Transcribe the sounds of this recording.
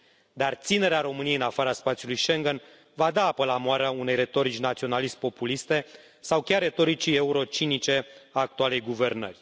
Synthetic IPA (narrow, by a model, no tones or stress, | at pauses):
d̪art̪sine̞ɾeaɾo̞mɨnijeiɨnafaɾaspat̪sijulujʃe̞ŋɡən | vad̪aapəlamoaɾaune̞jre̞t̪o̞ɾit͡ʃnat̪sio̞nalist̪̚po̞pulist̪e̞ | sawkʲare̞t̪o̞ɾit͡ʃie̞uɾo̞t͡ʃinit͡ʃe̞aːk̚t̪uale̞jɡuve̞rnə̰rʲ